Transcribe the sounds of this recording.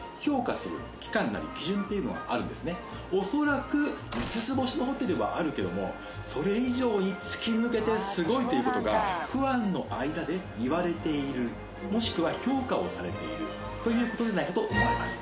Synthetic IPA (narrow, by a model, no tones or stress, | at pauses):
ço̞ːkasɨɾɯ̟̰kʲi̥kãnːa̰ɾʲikʲiʑɨ̃nt̪e̞jiɯ̟no̞̰ɡa̰ʔaɾɯ̟̃nd̪e̞sɨne̞ | o̞so̞ɾakɯ̟isɨt͡sɨbo̞ɕino̞ɦo̞t̪e̞ɾɯ̟βa̰ʔaɾɯ̟ke̞d̪o̞̰mo̞̰ | so̞ɾe̞iʑo̞ːɲ̟it͡sɨ̥kʲimɯke̞t̪e̞sɨɡo̞it̪o̞jɯ̟ko̞t̪o̞ɡa̰ɸɯ̟βãnːo̞ʔaid̪ad̪e̞ | iβaɾe̞t̪e̞iɾɯ̟ | mo̞ɕi̥kɯ̟βaço̞ːkao̞saɾe̞t̪e̞̰ḭɾɯ̟̰ | t̪o̞jɯ̟ːko̞t̪o̞d̪enaikat̪oʔomoimasɨ̥